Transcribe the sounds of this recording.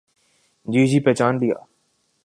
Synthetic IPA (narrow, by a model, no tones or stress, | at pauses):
d͡ʒiːd͡ʒiːpɛːt͡ʃaːnlɪja̰ː